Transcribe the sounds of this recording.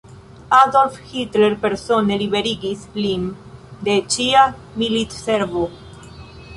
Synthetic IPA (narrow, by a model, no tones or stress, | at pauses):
ad̪olfxit̪leɾpeɾsoneliβeɾiɡisplin | d̪et͡ʃia | milit̪seɾvo